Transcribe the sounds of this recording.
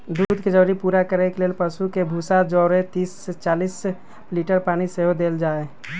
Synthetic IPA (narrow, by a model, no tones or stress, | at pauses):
d̪uːd̪ʱked͡ʒəʋɾipuːɾakəɾekeleːlpəsukebʱuːsad͡ʒɔːɾẽt̪iːst͡ʃaːliːs | liːʈəɾpaːñiseɦod̪eːld͡ʒaːe